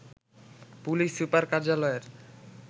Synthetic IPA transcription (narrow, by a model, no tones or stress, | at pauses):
pulisːupərkard͡ʒalɔɛt